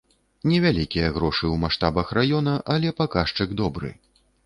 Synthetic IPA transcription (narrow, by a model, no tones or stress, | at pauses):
nʲɛvʲalʲikʲijɐɣɾɔʂɨwmaʂt̪abɐxrajɔn̪ɐʔalʲɛpakaʂt͡ʂɨɡd̪ɔbɾɨ̰